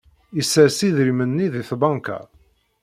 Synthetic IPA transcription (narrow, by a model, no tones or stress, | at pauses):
isːəɾsiðɾimənːiðiθbɑŋka̰